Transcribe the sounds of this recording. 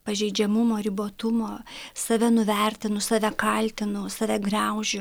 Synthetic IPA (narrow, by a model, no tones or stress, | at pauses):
pɐʒʲɛɪd͡ʒʲɛmʊmoːɾʲɪboːt̪ʊmoːsɐʋʲɛnʊʋʲɛɾʲt̪ʲɪnʊsɑʋʲɛkɐlʲt̪ʲɪnʊsɐʋʲɛɡrɑʊʒʲʊ